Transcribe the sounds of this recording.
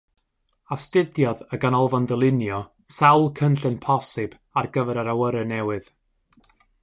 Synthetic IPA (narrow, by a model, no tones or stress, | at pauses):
astɪdjɔðəɡanɔlˠvɔndəlˠɪnjɔ | sawlˠkʰənɬɨnpʰɔsɨb̥ | arɡəvɛɾaɾawəɾənɛwɨð̥